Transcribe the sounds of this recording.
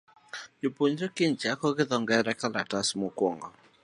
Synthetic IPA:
d͡ʒopoɲɾekɪnt͡ʃakɔɣɪðɔŋɡɛɾɛkalatasmokwɔŋɔ̰

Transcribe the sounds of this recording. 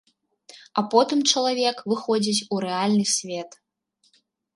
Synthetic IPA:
apɔt̪ɨmt͡ʃɐlˠavʲɛkvɨxɔd͡zʲit͡sʲuɾɛalʲnɨsʲvʲet̪

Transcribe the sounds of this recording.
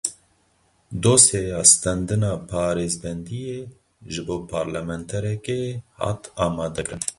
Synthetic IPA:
d̪oːseːjɑːst̪ɛnd̪ɨnɑːpʰɑːɾeːzbɛnd̪ijeː | ʒɨboːpʰɑːɾlɛmɛnt̪ʰɛɾɛkeːhɑ̰t̪ɑːmɑːd̪ɛkɾɨn

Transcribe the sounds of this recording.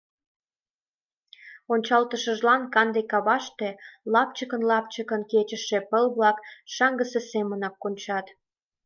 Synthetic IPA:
onʲt͡ɕɑlt̪əʃəʒlɑnkɑnd̪ekɑβɑʃt̪e̽lɑp̚t͡ɕəkənlɑp̚t͡ɕəkənket͡ɕəʃepəlβlɑkʃɑŋɡəsesemənɑkːonʲt͡ɕɑt̪

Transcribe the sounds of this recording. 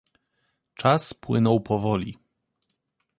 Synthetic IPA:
t͡ʂaspwɘ̰nɔwpɔvɔlʲi

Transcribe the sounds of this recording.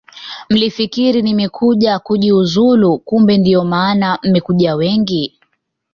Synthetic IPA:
m̩lifikiɾinimɛkʰuʄakuʄiuzulukumbɛndiɔmaːnam̩mɛkuʄawɛŋɡi

